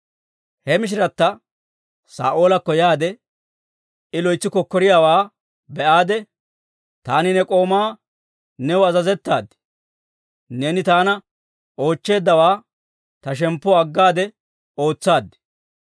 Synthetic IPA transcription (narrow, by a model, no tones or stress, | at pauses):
hɛmɪʃ̬ɪɾɐt̪ːɐ | sa̰ːʔo̞ːlɐkːɔjaːd̪ɛ | ɪlɔjt͡sːɪkɔkːɔɾɪjaːwaː | bɛʔaːd̪ɛ | t̪aːnɪnɛkʼo̞ːmaː | nɛwʊɐzɐzɛt̪ːaːd̪ːɪ̥ | ne̞ːnɪt̪aːnɐ | o̞ːt͡ʃːe̞ːd̪ːɐwaː | t̪ɐʃ̬ɛmpːɔɐɡːaːd̪ɛ | o̞ːt͡sːaːd̪ːɪ̥